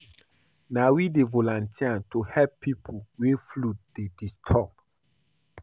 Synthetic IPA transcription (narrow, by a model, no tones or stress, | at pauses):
nawidevolãntʰiantohɛppːipʰuweflutdedistʰɔb̚